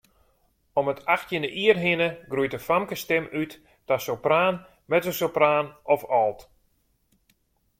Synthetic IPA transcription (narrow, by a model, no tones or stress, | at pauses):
ɔmətʰaxtjənəʔiərɦɪnəɡrujtəfamkəstɪmyt | tasowpraːn | mɛtəsopraːnɔfɔlˠt